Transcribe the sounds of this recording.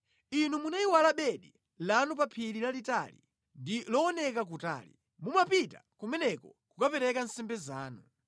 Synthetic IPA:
inumunaiwalaɓɛɗi | lanup̬apʰililalita̰lḭ | ndilɔɔnɛkak̬uta̰ːlḭ | mumapita̰kumɛnɛkɔkukapɛɾɛkan̩sɛmbɛzaːnu

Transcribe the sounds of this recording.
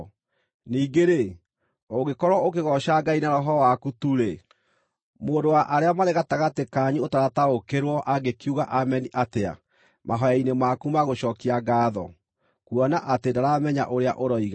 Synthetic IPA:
niːɡeɾe | oɣekɔɾwɔokeɣɔʃaɡainaɾɔɦɔwakutuɾe | moːndowaʔaɾeamaɾeɣataɣatekaɲiotaɾataokeɾwɔʔaɡekiuɣaʔamɛniʔatea̰ | mʔaɦɔjainemakumaɣoɕɔːkiaɡaːðɔ | kuɔnaʔatendaɾamɛɲa̰ʔoɾea̰ʔoɾɔiɣa

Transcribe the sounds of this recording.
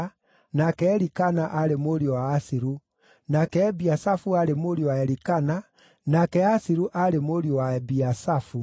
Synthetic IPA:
nakɛːɾikanaʔaɾemoɾiɔwaːsiɾu | nakɛːbiasafuaɾemoɾiɔwaɛɾikana | nakɛasiɾuʔaɾemoɾiɔwaɛbiasafu

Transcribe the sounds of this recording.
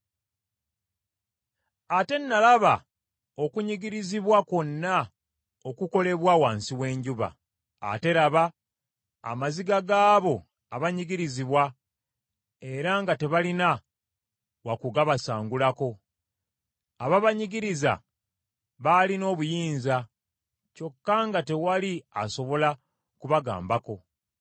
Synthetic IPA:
ate̞nːalaβa | o̞kuɲiɡiɾiziβwako̞nːa | o̞kuko̞le̞βwawaːnsiwe̞ːɲɟuβa̰ː | te̞ɾaβa̰ː | maziɡaɡaːβo̞ | aβaɲiɡiɾiziβwa | e̞ɾaŋɡate̞βalina | wakuɡaβasaːŋɡulako̞ | aβaβaɲiɡiɾiza̰ | βalino̞ːβujiːnza | co̞kːaŋɡate̞waliaso̞βo̞la | kuβaɡa̰ːmbako̞

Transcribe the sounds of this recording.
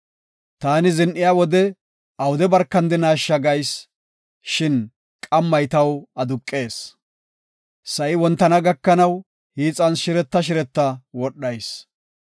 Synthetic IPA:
t̪aːnɪzɪnʔɪjawɔd̪ɛ | ɐwʊd̪ɛbɐɾkːɐnd̪ɪnaːʃːɐɡɐjs | ʃɪn | kʼɐmːɐjt̪ɐwɐd̪ʊkʼːe̞ːs | sɐʔɪwɔnt̪ːɐnɐɡɐkːɐnɐw | hiːt͡sʼːɐnsʃɪɾɛt̪ːɐʃ̬ɪɾɛt̪ːɐwɔɗːɐjs

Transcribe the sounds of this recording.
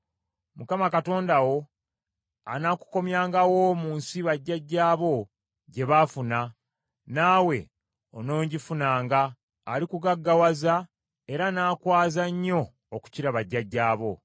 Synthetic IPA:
mukamakato̞ːndawo̞ | a̰naːku̥ko̞mjaːŋɡawo̞muːnsiβaɟːaɟːaːβo̞ | ɟe̞βafuna | naːwe̞ | o̰no̞ːɲɟifunaːŋɡaː | likuɡaɡːawaza | e̞ɾanaːkwaːzaɲːo̞ː | ku̥ciɾaβaɟːaɟːaːβo̞

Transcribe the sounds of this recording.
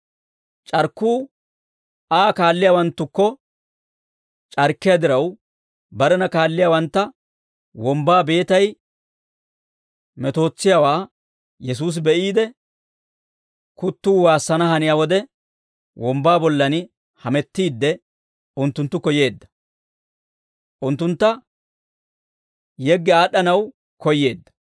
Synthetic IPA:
t͡ʃʼɐɾkːuː | aːkaːlːɪjaːwɐnt̪ːʊkːɔ | t͡ʃʼɐɾkːɪjad̪ɪɾɐw | bɐɾɛnɐkaːlːɪjaːwɐnt̪ːɐ | wɔmbaːbe̞ːt̪ɐj | mɛt̪o̞ːt͡sːɪjaːwaː | jɛs̬uːs̬bɛʔiːd̪ɛ | kʊt̪ːuːwaːsːɐnɐɦɐnɪjawɔd̪ɛ | wɔmbaːbɔlːɐnɪ | hɐmɛt̪ːiːd̪ːɛ | ʊnt̪ːʊnt̪ːʊkɔje̞ːd̪ːɐ̥ | ʔʊnt̪ːʊnt̪ːɐ | jɛɡːɛaːɗːɐnɐw | kɔjːe̞ːd̪ːɐ̥

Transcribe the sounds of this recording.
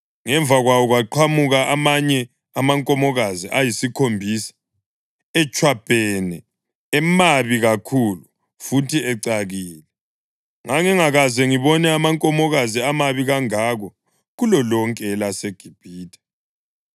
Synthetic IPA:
ŋɛɱvaɣwawɔɣwaǃʰamuɣaʔamaɲɛ | amaŋkʼɔmɔɣaziʔajisikʰombʱisḁ | ɛt͡ʃʼwab̥ʱɛnɛ | ɛmaβiɣakʰulu | futʰiɛǀaɣiːlɛ | ŋaŋɛŋaɣazɛŋiβɔnɛamaŋkʼɔmɔɣaziamaβiɣaŋaɣɔ | ɣulɔlɔŋkʼɛlaseɡ̥ʱib̥ʱiːtʼḁ

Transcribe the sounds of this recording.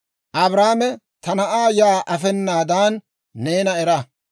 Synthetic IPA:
ʔɐbɾaːmɛ | t̪ʰɐnɐʔaːjaːʔɐfɛnːaːd̪aːnː | eːnɐɛɾɐ

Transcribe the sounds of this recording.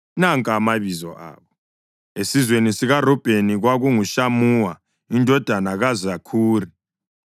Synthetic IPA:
naŋkʼamaβizɔ̰ʔa̰ːβɔ | esizwenisiɣarɔb̥ʱeniɣwaɣuŋuʃamuːwa | indʱɔd̥ʱanaɣazakʰuːri

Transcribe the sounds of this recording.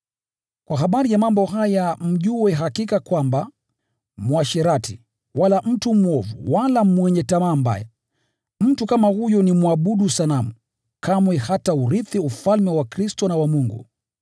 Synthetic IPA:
kwaɦaɓaɾijamambɔɦajam̩ʄuwɛɦakikakwamba | muaʃɛɾatḭ | walam̩tumuɔvṵwalamwɛɲɛtamamba̰jɛ̰ | m̩tukamahujɔnimwaɓuɗusalamu | kamwɛhatauɾiθiufalmɛwakɾistɔnawamuŋɡṵ

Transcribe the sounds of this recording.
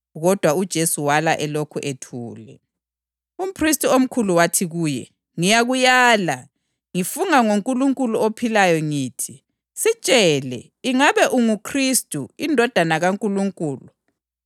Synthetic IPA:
ɣɔd̥ʱwaud̥ʒ̥ʱesuwalaʔɛlokʰuʔetʰuːlɛ | um̩pʰristʼuom̩kʰuluwatʰiɣuːjɛ | ŋijaɣujaːla | ŋifuŋaŋoŋkʼuluŋkʼuluopʰilajɔŋiːtʰi | sit͡ʃʼɛlɛ̰ | iŋaβɛʔuŋukʰristʼuindʱɔd̥ʱanaɣaŋkʼuluŋkʼuːlu

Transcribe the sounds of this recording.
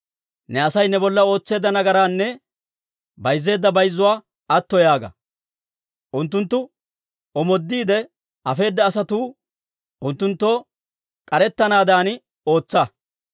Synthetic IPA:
nɛɐsɐjnɛbɔlːɐo̞ːt͡sːe̞ːd̪ːɐnɐɡɐɾaːnːɛ | bɐjzːe̞ːd̪ːɐbɐjzːʊwaː | ɐt̪ːɔjaːɡɐ̰ | ʔʊnt̪ːʊnt̪ːʊ | ɔmɔd̪ːiːd̪ɛ | ɐfe̞ːd̪ːɐːsɐt̪uː | ʔʊnt̪ːʊnt̪ːo̞ː | kʼɐɾɛt̪ːɐnaːd̪aːn | o̞ːt͡sːɐ

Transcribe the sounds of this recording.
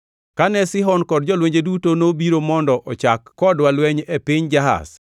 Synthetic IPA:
kanɛsɪɦɔnkɔd̚d͡ʒɔlweɲd͡ʒedutonobiɾomɔndɔʔɔt͡ʃakːɔdwalwɛɲepɪɲd͡ʒaɦa̰s

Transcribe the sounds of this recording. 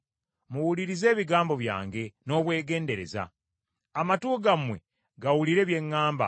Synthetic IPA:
muwuliɾize̞ːβiɡaːmbo̞βja̰ːŋɡe̞no̞ːβwe̞ːɡe̞ːnde̞ɾe̞̰za̰ | amatuːɡamwe̞̰ | ɡawuliɾe̞βje̞ŋːaːmba̰

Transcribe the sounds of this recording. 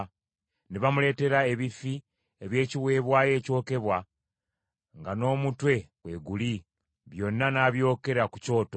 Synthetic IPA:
neβamule̞ːte̞ɾae̞βifi | eβje̞ːciβwe̞ːβwaːje̞ːco̞ːke̞βwa | ŋɡano̞ːmutwe̞kwe̞ɡuli | βjo̞nːanaːβjo̞ːke̞ɾakuco̞ːto

